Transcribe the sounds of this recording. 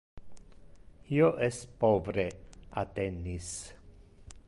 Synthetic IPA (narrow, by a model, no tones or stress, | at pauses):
ioʔespovɾeat̪enːis